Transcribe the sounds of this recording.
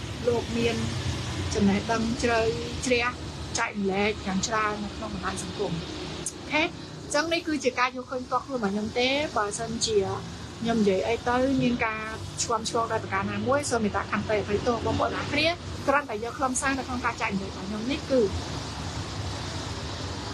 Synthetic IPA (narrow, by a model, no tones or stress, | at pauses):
loːk̚miənt͡ɕɑmnɛhɗəŋt͡ɕrəwt͡ɕrɛ̆əh | t͡ɕak̚nlɛːk̚jaːŋt͡ɕraənːɨwkʰnoŋɓɑnɗaːjsɑŋkum | ʔokʰeː | t͡ɕəŋnihkɨːt͡ɕiəkaːjoːəlkʰəːɲp̚ʰt̪ŏkʰluənɓaːɲomt̪eːɓaːəsənt͡ɕiə | ɲomnijiəjʔəjt̪ɨwmiənkaːt͡ɕʰʋɔəmt͡ɕʰʋɔəlɗap̚rakaːnaːmuəjsoəmet̪a̰ʔkʰanpeːʔapɨjt̪ʊ̆hrəɓɑhpo̰əʔa̰kʰniə | k̪rəənt̪aɛjəːkʰlɑmsaːnəwkʰnoŋkaːt͡ɕak̚lɛːk̚ɓɑːɲomnihkɨː